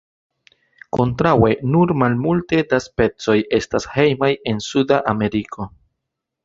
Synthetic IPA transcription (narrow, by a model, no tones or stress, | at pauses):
ko̞ntɾawe̞nuɾmalmulte̞daspe̞t͡so̞je̞stashe̞jmaje̞nsudaʔame̞ɾikʰo̞